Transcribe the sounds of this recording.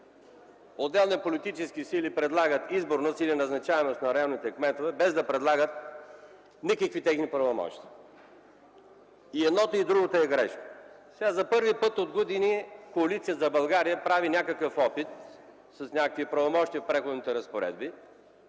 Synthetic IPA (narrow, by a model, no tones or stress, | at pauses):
od̪ːɛlˠnit̪ɛpolit̪it͡ʃɛsk̟isilipɾɛd̪lˠaɡət̪izboɾnosilinɐznɐt͡ʃavɛmost̪nɐɾɐjalˠnit̪ɛkmɛt̪ovɛbɛzd̪ɐpɾɛd̪lˠaɡət̪̚ | nikəkvit̪ɛxnipɾɐvomɔ̰ʃt̪iə | iɛd̪nɔt̪oid̪ɾuɡot̪oɛɡɾɛ̰ʃkə̥ | sɛɡazɐpɤɾvipɤt̪od̪ɡod̪inikoɐlit̪siəzɐbɐlˠɡaɾijəpɾavinʲjakəkəfɔpit̪̚ | sɐsnʲakəkviəpɾɐvomɔʃt̪ʲiəfpɾɛxod̪nit̪ɛɾəspoɾɛ̰d̪bi